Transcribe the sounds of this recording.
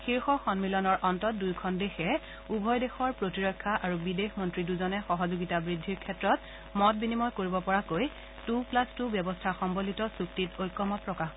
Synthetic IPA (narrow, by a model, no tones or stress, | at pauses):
xiɹxɔxɔnmilɔnɔɹʔɔntɔt̚dujkʰɔndexɛ | ubʱɔjdexɔɹpɹotiɹɔkʰːaʔaɹubidexmɔntɹiduzɔnɛxɔɦɔzoɡitabɹidʱːiɹkʰɛtɹɔt̚ | mɔt̚binimɔjkoɹibɔpɔɹakoj | tuplastubjɔbɔstʰaxɔmbolitɔsuktitojkːɔmɔt̚pɹɔkax